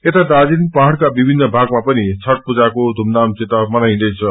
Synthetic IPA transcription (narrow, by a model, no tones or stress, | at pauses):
et̪ad̪ad͡zinpaɦɽkabibʱinːʌbʱaɡmapʌnit͡sʰʌʈ̚pud͡zakod̪ʱumd̪amt͡sit̪amʌnaj̃d̪ʌjt͡sʰʌ